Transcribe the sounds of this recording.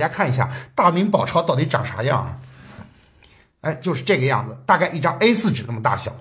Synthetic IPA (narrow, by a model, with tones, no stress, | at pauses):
t͡ɕja˥kʰa˥˩n˧˥ɕja̰˥˧˩t̪a˥˩mi˧˥ŋpɑ˨˩ʊʈ͡ʂʰɑ˥ʊt̪ɑ˥˩ʊt̪i˧˥ʈ͡ʂɑ̰˨˩ŋʂʰa̰˧˥jɑ̰˥˧˩ŋɐ̰˩ | e˥ɪt͡ɕjo˥˧ʊʂɻ̩˥˧ʈ͡ʂɤ˥˩ɡə˩jɑ̰˥˩ŋd͡z̩˩t̪a˥˧ka˥˧ɪʔi˥˩ʈ͡ʂɑ˥ŋe˥ɪsɹ̩˥˩ʈ͡ʂɻ̩˨˩na˥˩mə˩t̪a̰˥˩ɕjɑ̰˨˩˦